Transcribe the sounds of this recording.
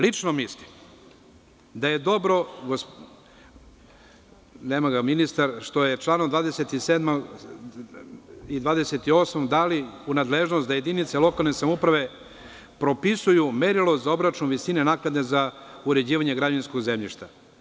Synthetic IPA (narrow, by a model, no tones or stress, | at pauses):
lit͡ʃnomislim | d̪aje̞d̪o̞bɾo̞ɡos | neːmaɡaminist̪aɾʃt̪o̞jet͡ʃlˠaːnod̪ʋaːd̪eset̪iseːd̪ma | id̪ʋaːd̪eset̪io̞smod̪aliunad̪leʒnost̪d̪aje̞d̪init̪selo̞kalˠne̞samupɾaʋe̞ | pɾo̞pisujumeɾilozao̞bɾat͡ʃnuʋisinenaknad̪nezauɾe̞d͡ʑiːʋaɲe̞ɡɾad͡ʑainskoɡzemʎḭʃt̪a